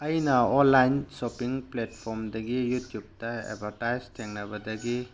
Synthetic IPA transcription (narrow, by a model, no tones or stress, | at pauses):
ɐjnaɔnlajnsɔpiŋpletpʰɔɾmdɐɡijutjub̚taḛbʱaɾtajztʰeŋnabadɐɡi